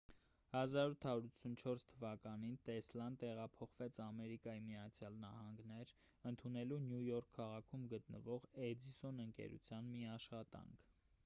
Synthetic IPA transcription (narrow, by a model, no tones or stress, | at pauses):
hɑzɑɾut̪ʰɑuɾut͡sʰunt͡ʃʰɔɾst̪ʰəvɑkɑnint̪ɛslɑnd̪t̪ɛʁɑpʰɔχvɛt͡sʰɑmɛɾikɑjimiɑt͡sʰjɑlnɑ̰hɑŋɡnɛɾ | ənt̪ʰunɛlunjujɔɾkʰːɑʁɑkʰumɡət̪nə̰vɔʁɛd͡zisɔnəŋkɛ̰ɾṵt͡sʰjɑnmiɑʃχɑt̪ɑ̰ŋkʰ